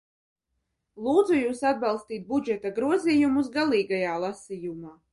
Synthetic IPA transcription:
lˠuːd̪zujuːsad̪̚bɑlˠst̪iːt̪̚bud͡ʒɛt̪aɡɾuɔziːjumusɡalˠiːɡajaːlˠasijumaː

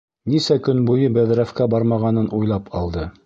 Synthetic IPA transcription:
nisækɵnbujɤbæðɾæfkæbɑɾmɑʁɑnɤnʔujlˠɑpʰɑlˠd̪ɤ

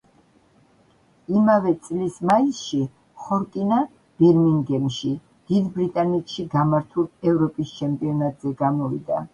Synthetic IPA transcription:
imavɛt̪sʼlismaisʃi | χɔɾkʼina | b̥ɛɾmiŋɡɛmʃi | d̪̥id̪bɾit̪ʼanɛt̪ʃiɡamaɾt̪ʰulɛvɾɔpʼist͡ʃʰɛmpʼiɔnat̪ʼzɛɡamɔvḭd̪a

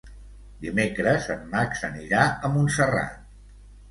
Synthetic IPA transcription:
d̪imekɾəzəmmaksəniɾaəmunsəra̰t̪̚

